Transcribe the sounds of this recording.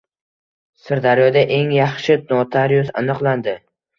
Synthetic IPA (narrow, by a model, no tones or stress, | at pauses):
sɪɾd̪aɾjɒd̪aʔe̞ŋjɑχʃɪt̪̚nɒt̪ʰaɾjuza̰nɨqlˠand̪ɪ